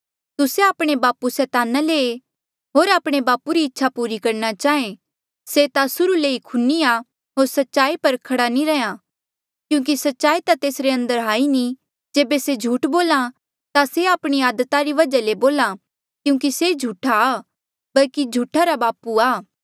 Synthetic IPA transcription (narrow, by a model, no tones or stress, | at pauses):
t̪ʊseaːpɽ̃ebaːpusɛːt̪aːnale | ɦoːɾaːpɽ̃ebaːpuɾiɪtːʃʰapuːɾikɐɾnat͡ʃaːẽ | set̪asʊɾuleːikʰʊnːia | ɦoːɾsɐtːʃaːipɐɾkʰɐɽanĩɾɛjã | kjũːk̬isɐtːʃaːit̪at̪eːsɾeɐ̃nd̪əɾɦaːini | d͡ʒeːbesed͡ʒʱuːʈboːlã | t̪aseaːpɽ̃ijaːd̪t̪aɾiʋɐd͡ʒaleboːlã | kjũːk̬ised͡ʒʱuːʈʰa | bɐlkid͡ʒʱuːʈʰaɾabaːpuaː